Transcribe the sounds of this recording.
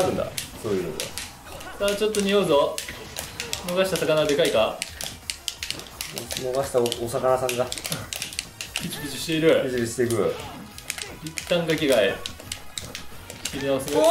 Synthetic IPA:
ɾɯ̟̃nd̪a̰soːjɯno̰t̪o̰ | sat͡ɕo̞t̪ːo̞ɲ̟ioːzo | no̞ɡaɕi̥t̪asakanaɡad̪e̞kaika | no̞ɡaɕi̥t̪aosakanasãŋɡa | kʲit͡ɕibʲit͡ɕiɕi̥t̪e̞iɾɯ̟kʲit͡ɕibʲiɕi̥t̪ekɯ̟ | it̪ːãŋɡakʲiɡai | kʲiɲʲiaβase

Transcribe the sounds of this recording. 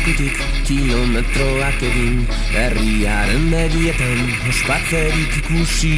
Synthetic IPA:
kut̪ikː | ilo̞met̪ɾo̞akeɣin | eriaɾenːeðiet̪an | ospaɾt̪eɾikikusi

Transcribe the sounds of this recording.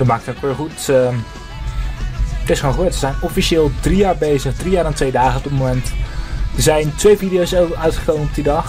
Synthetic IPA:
dɔtmaːk̚təokʋɪːχutə | tɪsχonχəʋøɹtʋəzɛjnɔfiʃɪːlˠdrijaːɹbejzəχdrijaːɹdantʋejdaːχənɔb̚dɪtmomɛntəzɛjntʋejvidijowsowœɥtχəkowmənɔb̚didɑχ

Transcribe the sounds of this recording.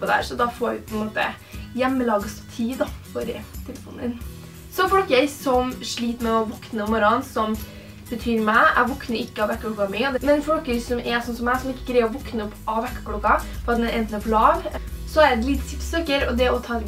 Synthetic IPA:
pɔd̪æ̰ɾsɔd̪ɑfoːɾʋɪpʰɔɛnmoːt̪ə̰ | jɛmːəlɑːɡəsɔ̥t̪ʰiːd̪ɑfɔɾət̪ʰɛləfṵːnə̰n | sɔfɔlkəɾsɔmʂɭiːt̪əmɛɔʋɔknəɔmɔɾɑnsɔm | b̥ət̪ʰyːɾmæɪʔæ̰ɪʋɔknəɾɪkːəɑʋɛkːklukɑmyːɔd̪mɛnfɔlkəɾsɔmɛsɔnsɔmæɪsɔmɪkːəɡɾɛɪɔʋɔknəɔpːʔɑʋɛkːə̥kluːkɑfɔɾɑt̪mɛnɛnt̪nɔpʰlɑːʋsɔæɾɛt̪lɪt̪sɪpsøkəɾɔd̪ɛɔt̪ʰɑː

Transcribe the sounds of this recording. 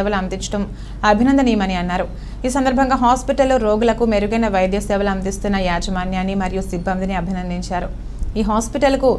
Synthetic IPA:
ɛʋɐlɐnd̪iɲt͡ʃɐ̥ʈɐm | ɐbʱinɐnd̪ɐnimɐniɐnːaːɾu | iːsɐnd̪ɐɾbʱɐŋɡaːɦaːspiʈɐlːoɾoːɡulɐkumeɾuɡɐjnɐʋɐjd̪jɐsɛːʋɐlɐnd̪ist̪unːɐjaːd͡ʒɐmaːnjaːnːimɐɾijusibːɐmd̪iniɐbʱinɐnd̪iɲt͡ʃaːɾu | iːɦaːspiʈɐlɐku

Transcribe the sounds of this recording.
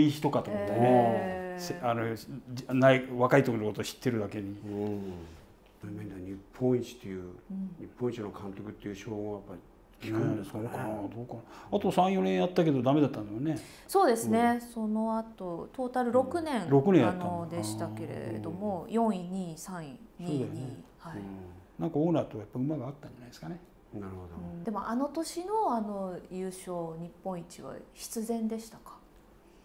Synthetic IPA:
içi̥t̪o̞kat̪okot̪ːeeseanonaiβakait̪okʲinko̞t̪oɕi̥t̪ːe̞ɾɯ̟d̪ake̞ɲ̟iɯ̃ | amed̪aɲʲipʰːõĩt͡ɕi̥t̪ʰːejɯ̟̃ːɲipːõĩɲt͡ɕinokʰãnt̪o̞kɯ̟t̪ːe̞jɯ̟ːɕoːõjapːai | kʲi̥kaeskakad̪oːkaat̪o̞sãɰ̃jõ̞ɾẽ̞ɰ̃jat̪ːake̞d̪o̞d̪ame̞d̪at̪ːãnd̪oajone̞ | soːd̪e̞sɨne̞so̞no̞at̪o̞t̪o̞ːt̪aɾɯ̟ɾo̞kɯ̟nẽ̞ŋɾo̞kɯnẽjatnod̪eɕi̥t̪ake̞ɾḛd̪o̞mo̞jõ̞ɰ̃ĩɲ̟iːsãɰ̃iɲʲieɲiːhainãŋkaonaːt̪ojapːaɯmaɡaːt̪ːãɲd͡ʒanajd̪eskane | naɾɯod̪ɯ̟̃ɴd̪e̞mo̞ʔano̞t̪o̞ɕino̞ano̞jɯːɕo̞ːɲ̟ipːõ̞it͡ɕiβa̰ɕi̥t͡sɨzẽ̞nd̪e̞ɕi̥t̪ḁkḁ

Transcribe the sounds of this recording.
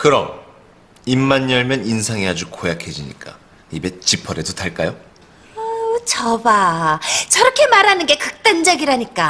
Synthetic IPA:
kɯɾʌm | imːaɲːʌɭmjʌninsʰaŋeɦad͡ʑukojakʰed͡ʑiɲḭk͈a̰ | ibe̞t͡ɕipʰʌɾedotaɭk͈ajo | t͡ɕʌba | t͡ɕʌɾʌkʰe̞maɾɦanɯnɡe̞kɯk̚t͈and͡ʑʌɡiɾaɲik͈a

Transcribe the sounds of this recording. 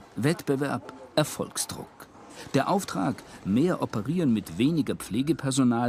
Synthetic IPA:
vɛtb̥əvɛɐpʔɛɐfɔ̰lksd̥ʁʊ̰k | d̥eːɐʔaʊftʁ̥a̰ːkmeːɐʔɔpəʁiːʁənmɪtv̥eːnɪɡɐp͡fleːɡəpʰɛɐzonaː

